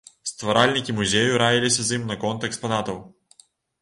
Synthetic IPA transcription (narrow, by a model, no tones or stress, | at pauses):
st̪vɐɾalʲnʲikʲimuzʲɛjʊɾajilʲisɛzimnɐkɔnt̪ɛkspɐnat̪ow